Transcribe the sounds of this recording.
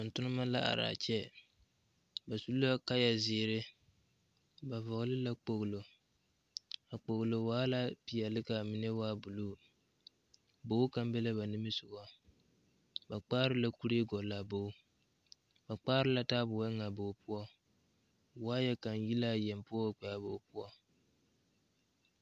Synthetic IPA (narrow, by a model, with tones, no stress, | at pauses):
ʊ˨n̩˨tʊ˦nɨ˦ma˦la˦a̰˨ɾa̰ː˨t͡ʃɛ˦ | ba˨su˦la˦ka˦ja˨zɪː˨˦ɾɪ˦ | ba˨vɔ˨ɣlɨ˦la˦k͡po˨ɣlo˨ | a˨k͡po˨ɣlo˨waː˦la˦pi˨jɛ˨lɪ˦ka˨mi˨nɛ˦waː˦bu˨luː˦ | bo˦ka˦m˦bɛ˦la˦ba˨nɨ˦mɨ˦sʊ˨ɡɔ˦ | ba˨k͡paː˦ɾɨ˦la˦ku˦ɾi˦e˦ɡɔ˨la˨bo˦ | ba˨k͡paː˦ɾɨ˦la˦taː˦bʊ˨a˦ŋa˨bo˨pu˦ɔ˦ | waː˦jɛ˦ka˨nji˦la˦jɛ˨mpu˦ɔ˦k͡pɛ˨ja˨bo˨pu˦ɔ˦